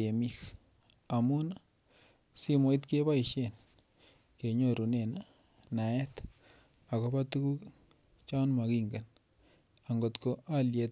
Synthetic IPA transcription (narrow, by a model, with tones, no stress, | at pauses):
e˨mi˦k | a˨mu˦na | si˦mo˦i˦t̪ke˦βa˦i˨ʃe˦˨n | ke˨ɲo˦ɾu˨ne˨na | na˨ɛ˦t | a˨ɣo˦ba˦t̪u˦ku˦k | t͡ʃa˦nma˨ki˦ŋɡa˨n | a˨ŋɡo˨t̪ko˦ʔa˦lje˨t